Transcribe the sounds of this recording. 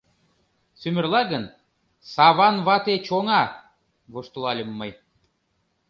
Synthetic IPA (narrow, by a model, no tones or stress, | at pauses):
symʲɘ̆rlˠɑɣən | sɑβɑnβɑt̪et͡ɕoŋɑ | βoʃt̪olˠɑlʲəmːɤj